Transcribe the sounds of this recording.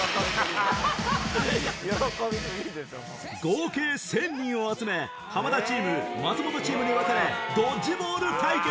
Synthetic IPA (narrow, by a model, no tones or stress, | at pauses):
joɾokomʲieid̪eso | ɡoːkeːsẽ̞ɲʲːĩɰ̃o̞at͡sɨme̞ | hamad̪at͡ɕiːmɯ̟mat͡sɨmo̞t̪o̞t͡ɕiːmɯ̟ɲ̟iβakaɾe̞d̪od͡ʑimo̞ːɾɯ̟t̪aike